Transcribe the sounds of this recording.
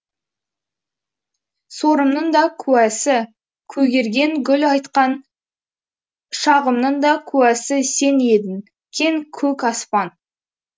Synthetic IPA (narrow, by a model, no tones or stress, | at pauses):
so̞ɾəmnəɴd̪ɑkʲʰʉwæsɪ | kʲʰɵɡʲe̞ɾɡʲe̞ŋɡʲʏlɑjt̪qɑn | ʃɑʁəmnəɴd̪ɑkʲʰʉæsɪse̞ne̞d̪ɪn | kʲʰe̞ŋkʲʰɵkɑspɑn